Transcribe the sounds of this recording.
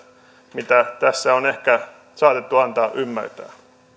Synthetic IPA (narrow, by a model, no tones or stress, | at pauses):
mit̪æt̪æsːæonehkæ | sɑːt̪et̪ːuɑnt̪ɑːʔymːæ̰rt̪æ̰ː